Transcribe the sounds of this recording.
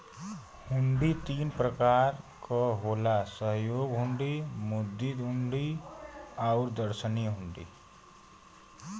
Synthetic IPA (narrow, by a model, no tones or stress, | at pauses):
huɳɖit̪iːnpɾəkaɾkʌɦolasəɦjoːɡɦuɳɖimud̪ːid̪ɦuɳɖi | aʊɾd̪əɾsəniɦuɳɖḭ